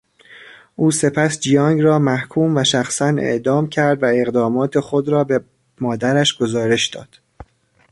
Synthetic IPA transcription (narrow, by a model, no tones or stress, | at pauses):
ʔuːse̞pʰæsd͡ʒijɒːŋɡɾɒːmæhkʰuːmvæʃæxsænḛʔd̪ɒːmcʰæɾd̪væe̞ɣd̪ɒːmɒːt̪ʰexo̞d̪ɾɒːbe | mɒːd̪æɾæʃɡ̥o̞zɒːɾe̞ʃd̪ɒ̰ːd̪̥